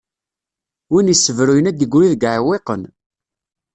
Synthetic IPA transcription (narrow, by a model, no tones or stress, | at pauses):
winisːəvɾujənæd̪əɡʷɾiðəɡaʕweqən